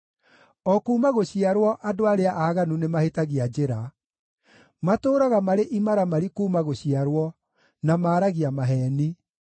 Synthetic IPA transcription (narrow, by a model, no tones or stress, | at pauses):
ɔkuːmaɣoɕiaɾwɔʔadoaɾeaʔaɣanunemahetaɣiad͡ʑeɾa | matoːɾaɣamaɾeʔimaɾamaɾikuːmaɣoɕiaɾwɔ | namaːɾaɣiamaɦɛːni